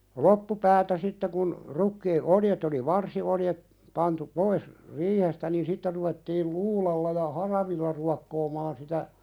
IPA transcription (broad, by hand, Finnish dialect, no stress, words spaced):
lopːupæːtæ sitːe kun rukːiː oljet oli ʋɑrsioljet pɑntu pois riːhestæ niːn sitːe ruʋetːiːl luːlɑlːɑ jɑ hɑrɑʋilːɑ ruɑkːoːmɑːn sitæ